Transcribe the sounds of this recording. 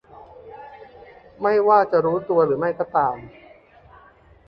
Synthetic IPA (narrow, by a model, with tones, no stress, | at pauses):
ma˥˩jwaː˥˩t͡ɕa˨˩ɾuː˦˥t̪u˧ɐɾɯː˩˦ma˥˩jkɔ˥˩t̪aː˧m